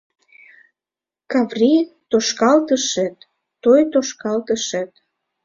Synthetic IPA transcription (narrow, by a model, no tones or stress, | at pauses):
kɑvrit̪oʃkɑlt̪əʃət̪ː | ojt̪oʃkɑlt̪əʃə̆t̪̚